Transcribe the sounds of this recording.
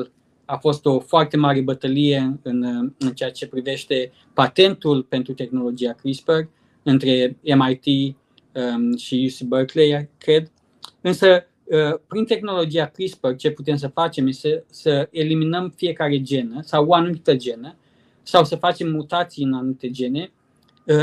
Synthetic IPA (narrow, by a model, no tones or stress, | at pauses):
l | afo̞st̪o̞foart̪e̞maɾe̞bət̪əlije̞ɨnɨnt͡ʃeat͡ʃe̞pɾive̞ʃt̪e̞ | pat̪e̞nt̪ulpe̞nt̪ɾut̪e̞xno̞lo̞d͡ʒiakɾispər | ɨnt̪ɾe̞emajt̪i | əʃijusibəklejakɾe̞d̪ | ɨnsə | əpɾint̪e̞xno̞lo̞d͡ʒiakɾispərt͡ʃe̞put̪̬e̞ms̬əfat͡ʃe̞mjest̪esəe̞liminəmfije̞kaɾe̞d͡ʒe̞nəsawoanumit̪əd͡ʒe̞nə | sawsəfat͡ʃe̞mːut̪at̪siɨnanumit̪e̞d͡ʒe̞ne̞ | ə